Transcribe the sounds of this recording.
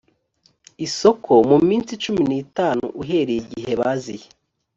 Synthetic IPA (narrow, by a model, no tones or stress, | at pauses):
iso̞kʰomumiːnsit͡ʃuminiːtaːnṵʔuɦe̞ːɾejiɟiɦe̞βazije